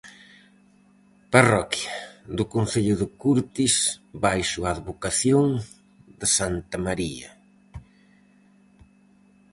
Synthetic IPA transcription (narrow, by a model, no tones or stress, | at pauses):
parɔkjad̪ʊkonθeʎʊðɪkuɾt̪isbajʃʊaːðβokaθjoŋ | d̪ɪsant̪ɐmaɾiɐ